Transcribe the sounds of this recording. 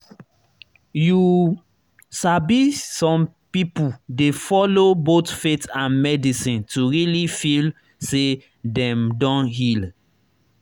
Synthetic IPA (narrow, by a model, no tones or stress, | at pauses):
ju | sabisɔ̃mpipudefɔlobotfetãnmɛdisĩntuɹilifil | se | dɛ̃mdɔ̃nɦil